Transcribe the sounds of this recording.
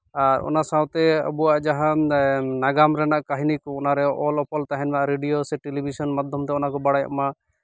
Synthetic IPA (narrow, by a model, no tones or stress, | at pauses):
aɾɔ̰nasawt̪ɛə̰buwaʔd͡ʒaɦãnaɡamɾɛnaʔkaɦinikɔɔnaɾɛɔlɔpɔlt̪aɦɛnmaʔɾeɖijosɛʈelibʱisɔnmad̪ʱjɔmt̪ɛɔnakɔbaɽaja̰ʔma